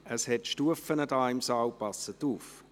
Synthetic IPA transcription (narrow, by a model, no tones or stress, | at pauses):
əshɛtʃtuəfənədaɪmsɑːwpɑsətuːf